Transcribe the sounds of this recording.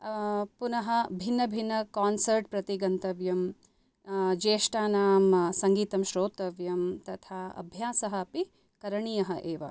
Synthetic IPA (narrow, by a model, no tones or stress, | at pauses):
punɐɦɐbʱinːɐbʱinːɐkaːnsɐɾʈ̚pɾɐt̪iɡɐnt̪ɐʋjɐm | d͡ʒeːʃʈaːnaːmsɐŋɡiːt̪ɐmʃɾoːt̪ɐʋjɐmt̪ɐt̪ʰaːɐ̰bʱjaːsɐɦɐpi | kɐɾɐɳijɐɦɐʔeːʋɐ̰